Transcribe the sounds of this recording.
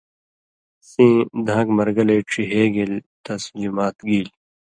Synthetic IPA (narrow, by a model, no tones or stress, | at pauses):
sĩːd̪ʱãːɡmɐɾɡɐleːʈ͡ʂʰiɦeːɡelt̪ɐsliːmaːt̪ɡiːl